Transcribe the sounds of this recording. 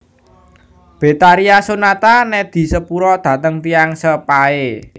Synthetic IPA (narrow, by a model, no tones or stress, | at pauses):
b̥e̤t̪aɾiasonat̪anɛd̪̥i̤səpuɾɔd̪̥ä̤t̪əŋp̪iaŋsəpae